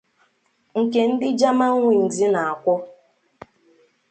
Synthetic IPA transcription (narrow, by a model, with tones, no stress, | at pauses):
ŋ̩˨ke˨n̩˦dɪ˦d͡ʒa˦ma˦ŋʷi˨n̩˨di˦na˨a˨kʷɔ˦